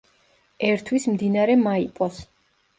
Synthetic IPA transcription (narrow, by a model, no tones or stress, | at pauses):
ɛɾt̪ʰwismd̪inaɾɛmaipʼɔs